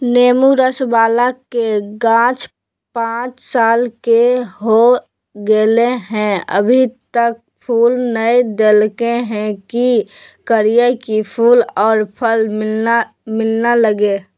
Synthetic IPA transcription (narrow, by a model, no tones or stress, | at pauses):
neːmuɾəsbaːlakeɡãːt͡ʃ | pãːt͡ʃsaːlkeɦo | ɡeleɦɛ̃ə̰bʱit̪ək̚ | pʰuːlnəid̪elkeɦɛ̃kikəɾijakipʰuːlɔːɾpʰəlmɪa | mɪlnaləɡeː